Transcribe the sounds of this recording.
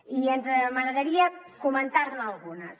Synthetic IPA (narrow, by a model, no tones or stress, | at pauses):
ienzmaɣɾaðɐɾiɐkumẽnt̪aɾlalˠɣunɐs